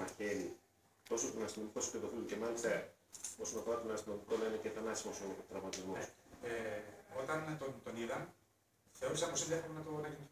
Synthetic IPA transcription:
mɐçe̞ɾi | t̪o̞sost̪onɐst̪ino̞miko̞speðo̞filuce̞mɐlist̪ɐ | o̞so̞nɐfo̞ɾɐt̪o̞nɐst̪ino̞mikonɐineceθɐnɐsi̥mosot̪ɾɐɣmɐt̪izmoseo̞t̪ɐnt̪ont̪oniðɐn | θe̞o̞ɾisɐposid̪iɐpɾeenɐt̪onɐki

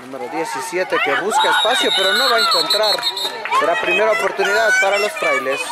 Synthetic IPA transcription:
numeɾoðje̞sisje̞t̪e̞ke̞βuskaespasjo̞pe̞ɾo̞no̞βaeŋko̞nt̪ɾaɾɾapɾime̞ɾaopo̞ɾt̪uniðaðpaɾalo̞st̪ɾajles

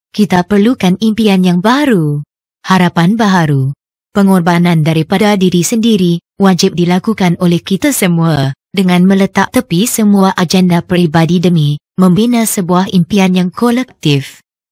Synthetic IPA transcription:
kit̪apərlukanimpianjaŋbaɾu | haɾapanbaɦaɾu | pəŋɔrbanãndaɾipadadiɾisəndiɾi | wad͡ʒɪp̚dilakukanolɛhkit̪asəmua | dəŋãnmə̃lət̪aʔ̚t̪əpisəmuaʔad͡ʒɛndapɾibadidəmĩ | mə̃mbinasəbuahimpianjaŋkolɛk̚t̪ɪf

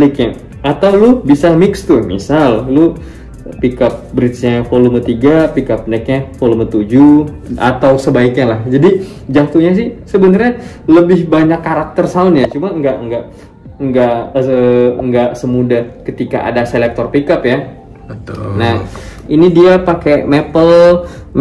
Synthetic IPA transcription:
likɲa | at̪awlʊbisamɪkst̪ʊmḭsallu | pikap̚bɾɪt̪sɲafolumət̪iɡapikap̚nak̚ɲafolumət̪ud͡ʒu | a̰t̪awsəbaik̚ɲalahd͡ʒadi | d͡ʒat̪uɲas̬ɪhsəbənarɲa | ləbɪhbaɲakːaɾak̚t̪ərsaʊnjat͡ʃumaəŋɡaʔəŋɡaʔ | əŋɡaʔəəŋɡaʔsəmudahkət̪ika̰ʔa̰daselɛk̚t̪ɔrpikapja | t̪nahinidiapakemepəl

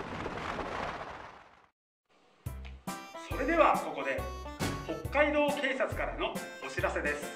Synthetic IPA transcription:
so̞ɾe̞d̪e̞βako̞ko̞d̪e̞ho̞kːaid̪o̞ːke̞ːsat͡sɨ̥kaɾano̞oɕiɾase̞d̪e̞sɨ̥

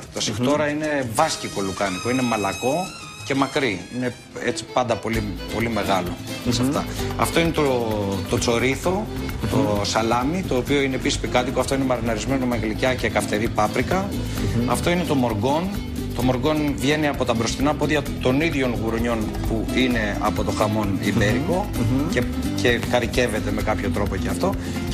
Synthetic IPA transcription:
t̪osixt̪o̞ɾɐine̞vɐsciko̞lukɐnik̪oine̞mɐlɐko̞ | ce̞mɐkɾiine̞ | e̞t͡si̥pɐnd̪ɐpo̞lipo̞lime̞ɣɐlo̞̰sɐft̪ɐ̰ɐ̰ft̪o̞inet̪ot̪o̞t͡so̞ɾiθo̞t̪osɐlɐmit̪o̞ːpio̞ineːpisi̥spikɐt̪ikoɐft̪o̞ine̞mɐɾinɐɾizme̞nomɐɣlicɐce̞kɐft̪e̞ɾipɐpɾikɐ | ɐft̪o̞ine̞t̪o̞mo̞ɾɡo̞n | t̪o̞mo̞ɾɡo̞nvʝe̞niɐpo̞t̪ɐbɾo̞st̪inɐpo̞ðʝɐt̪o̞niðʝo̞nɣuɾoɲo̞n | puine̞ɐ̰po̞t̪o̞xɐmo̞nibe̞ɾipo̞ce̞ | ce̞kɐɾice̞ve̞t̪e̞me̞kɐpço̞t̪ɾo̞po̞ceɐft̪o̞

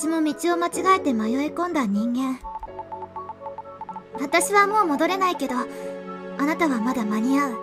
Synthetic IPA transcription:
ɕimo̞mʲit͡ɕio̞mat͡ɕiɡaet̪e̞majo̞ekõ̞nd̪aɲ̟ĩŋɡẽ̞ɴ | βat̪aɕiβamo̞ːmo̞d̪o̞ɾe̞naike̞d̪o̞ | anat̪aβamad̪amaɲ̟iaɯ̟

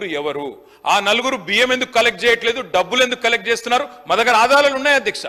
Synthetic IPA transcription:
ɾuɛʋɐɾu | aːnɐluɡuɾubijeme̞nd̪ukːukɐlek̚ʈ̚t͡ʃɛːjɐʈle̞ːd̪uɖɐbːule̞nd̪ukːkɐlek̚ʈ̚t͡ʃeːst̪unːaːɾumɐd̪ɐkɐɾaːd̪aːlɐlunːaːjɐd̪ʱjɐkʂɐ̰

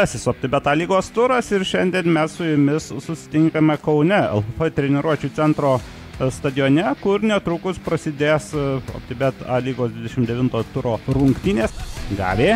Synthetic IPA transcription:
ɑsʲɪsoːpʲt̪ʲɪbʲɛt̪ɑːlʲiːɡoːst̪ʊɾɐsɪɾʃʲɛnʲd̪ʲiɛnmʲɛssʊjʊmʲɪssʊsʲɪ̥t̪ʲɪŋkɐmʲɛkɐʊnʲɛɛ̰lˠffɐt̪ʲɾʲɛnʲɛɾuɔt͡ʃʲut̪sʲɛnt̪ɾoː | st̪ɐd̪ʲɪjoːnʲɛkʊɾnʲɛt̪ɾukʊspɾɐsʲɪd̪ʲeːso̰ːpʲt̪ʲɪbʲɛt̪ɑːlʲiːɡoːsd̪ʲʋʲɪd̪ʲɛʃʲɪmd̪ʲɛʋʲɪnt̪oːt̪ʊɾoːɾʊŋkt̪ʲiːnʲeːsɡɑ̰ːʋʲeː

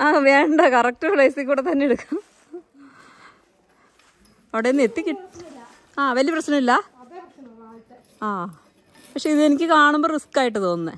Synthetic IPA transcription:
aːʋeːɳɖɐkɐrɐk̚ʈɐrɭɐjsikʲːuːɽet̪ɐnːeeɽukːɐm | ɐʋiɽejonːet̪ːikʲːi | aːʋɐlijɐprɐɕnɐmilːɐ | aː | pɐkʂe̞iðɨenikʲːɨkaːɳumboːriskaːjiʈ̬ːɨt̪o̞ːnːɨ

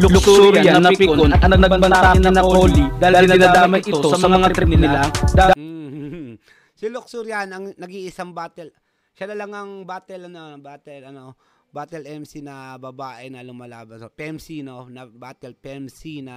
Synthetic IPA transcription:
lʊlʊksuuɾajaɐɪpɪkoonɐɐɡnɐɡbɐbɐnːanɐnɐooːlid̪aːhɪɡɪnaɪnaːaːmɐj̪ɪt̪osɐmsɐmɐŋat̪ɾɪnɪnlad̪a | sɪlʊksuɾjanɐŋnɐɡiʔɪsaŋbaːt̪ɛl | ʃanɐlaŋɐŋbaːt̪ɛlnɐbaːt̪ɛlɐno | baːt̪ɛlɛmsinɐbɐbaːʔɛnɐlʊmɐlaːbɐnopɛmsinonɐbaːt̪ɛlpɛmsinɐ

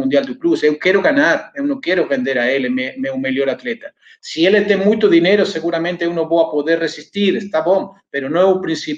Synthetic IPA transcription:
und̪jald̪uklusewkjeɾoɣanaɾewnokjeɾoβend̪eɾaelememewmeljoɾat̪let̪a | sielet̪eŋmujt̪oðineɾoseɣuɾamẽnt̪eewnoβoapoðeɾresist̪iɾest̪aβoŋpeɾonoeupɾinsi

